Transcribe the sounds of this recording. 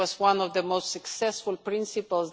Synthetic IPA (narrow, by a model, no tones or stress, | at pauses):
ɔzwãnɔvðəmoʊst̪sɨksɛsfʊlˠpɹɪ̃nsɨpəlˠz